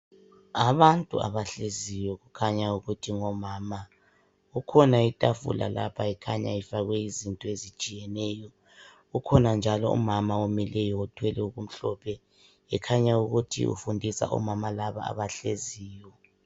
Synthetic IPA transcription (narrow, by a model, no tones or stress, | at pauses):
aβantʼṵa̰βaɬezijɔɣukʰaɲauɣutʰiŋɔmaːma | ukʰɔnaitʼafṵla̰la̰pʰaɛkʰaɲa̰ifaɣwɛizintʼɔezit͡ʃʼijɛnɛjɔ | ɣukʰɔnand͡ʒʱalɔ̰ṵmamaumɛlɛjɔutʰwɛlɛuɣum̩ɬɔpʰɛ | ɛkʰaɲauɣutʰḭʔṵfundʱisa̰ʔɔ̰mamalaβa̰ːβaɬeziːjɔ